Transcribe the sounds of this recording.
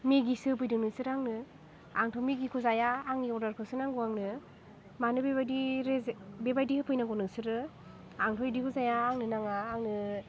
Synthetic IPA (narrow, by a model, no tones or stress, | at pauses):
miɡisɯpɯjdɯnɯsɯɾaŋnɯ | aŋtʰomiɡikʰuzajaːŋiɔɾdaɾkʰɯsɯnaŋɡuaŋnɯ | manɯbebadiɾebebajdihɯpʰɯjnaŋɡɔnɯsɯɾɯ | aŋtʰɔjdikʰuzajaːŋnɯnaŋaːŋnɯ